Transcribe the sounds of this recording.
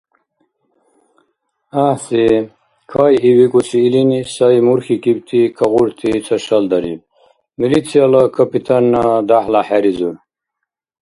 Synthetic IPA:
ahsi | kʰajiwikusiːlinisajmuɾxikibt̪ʰikʰɐʁuɽt̪ʰit͡sʰɐɕɐld̪ɐɾḭb̚ | milit͡sʰialɐkʰɐpit̪ʰanːad̪ahlaħaɾizu

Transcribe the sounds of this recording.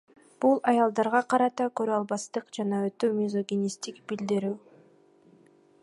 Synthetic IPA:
b̥ulˠɑjɑlˠd̪ɑɾʁɑqʰɑɾɑt̪ɑkøɾyɑlˠbɑst̪ɯqd͡ʒɑnɑøt̪ømʲizo̞ɡʲinʲist̪ikb̥ild̪iɾyː

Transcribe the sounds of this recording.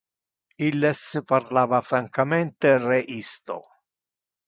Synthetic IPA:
ilːespaɾlaːvafɾaŋkamɛnt̪ereʔist̪o̰

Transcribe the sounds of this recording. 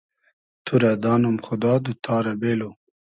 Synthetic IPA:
t̪ʰuɾad̪ɑːnumxʊd̪ɑːd̪ut̪ʰɑːɾabeːlo

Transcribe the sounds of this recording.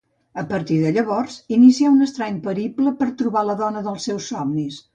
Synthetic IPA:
əpəɾt̪iðəʎəβɔrzinisiaunəst̪ɾɛɲpəɾipləpəɾt̪ɾuβaləðɔnəðəlˠsːɛwsːɔmnis

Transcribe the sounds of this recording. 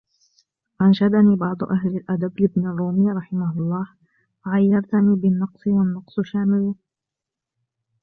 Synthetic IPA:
ʔanʃad̪aniːbɑʕd̪ˤʊʔaɦlɪlʔad̪ablɪbnarˤːuːmɪːɾˤɑħɪmahʊlˤːɑːh | waʕajːɑɾˤt̪aniːbɪnːɑqsˤɨwanːɑqsˤʃaːmɪl

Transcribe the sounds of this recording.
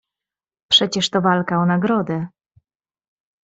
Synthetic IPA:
pʂɛt͡ɕɛʂt̪ɔvalkaɔnaɡɾɔd̪ɛ

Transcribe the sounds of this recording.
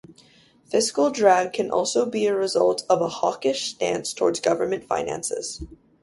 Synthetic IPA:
fɪskl̩ˠdɹæɡ̚kʰɨ̃nʔɔ̰lˠsoʊbiɨɹɨzʌ̰lˠtʰʌvəhɑkɪʃstæ̰̃nstʰɔ̰ɹdzɡʌvə˞mɨ̃ntfã̰ɪ̃næ̰̃nsɪ̰z̥

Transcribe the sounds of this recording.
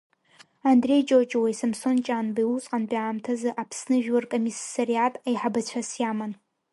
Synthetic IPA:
andrejd͡ʒʼot͡ʃʼwajsɨmsont͡ʃʼanbiwusʼqʼanbaːmtʰazɨʔapʰsnɨʒᶣwarkʼomisːarijatʼajħabat͡ɕʷʰasjaman

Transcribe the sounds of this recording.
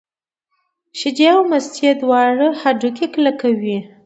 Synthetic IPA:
ʃɪd͡ʒeawmast̪jed̪wɑɽəhaɖukeklakawi

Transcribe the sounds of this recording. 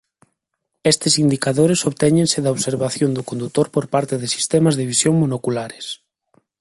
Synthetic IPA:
est̪esind̪ikaðoɾesoβt̪ɛɲẽnseðaoβseɾβaθjond̪ʊkond̪ut̪oɾpoɾpaɾt̪eðesi̥st̪ɛmazðeβisjoŋmonokulaɾes

